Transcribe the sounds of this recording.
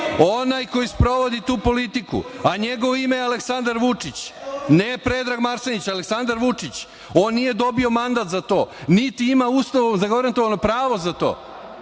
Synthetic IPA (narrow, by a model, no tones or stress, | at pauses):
onajko̞jispɾo̞ʋo̞d̪it̪uːpo̞lit̪ikṵaɲeɡo̞ʋoimealeksand̪aɾʋut͡ʂit͡ɕnepɾe̞d̪ɾaːɡmaɾsenit͡ɕaleksand̪aɾʋut͡ʂit͡ɕ | o̞ːnːije̞d̪o̞bio̞mand̪at̪zat̪o̞ːnit̪iimausloozaɡaɾant̪oʋano̞pɾaːʋo̞zat̪o̰ː